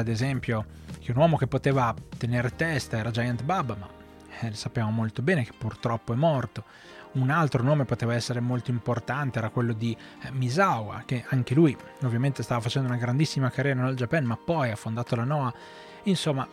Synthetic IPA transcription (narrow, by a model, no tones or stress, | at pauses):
ad̪ezɛmpjo | k̟eunwɔːmokepːot̪eːvat̪eneːɾt̪ɛst̪aɛːɾad͡ʒajant̪babama̰ | lsapːeamomolt̪obɛːnek̟e̥pːurt̪ɾɔpːoɛmɔrt̪o | unalt̪ɾonoːmepot̪eːvaɛsːeɾemolt̪oimport̪ant̪eɛːɾakwelːod̪i | mizawa̰k̟eaŋkeluj | ovːjament̪est̪avafat͡ʃɛnd̪ounaɡɾand̪isːimakaɾɛːnanald͡ʒapɛnmapːɔjafːond̪aːt̪olanɔa | insomːa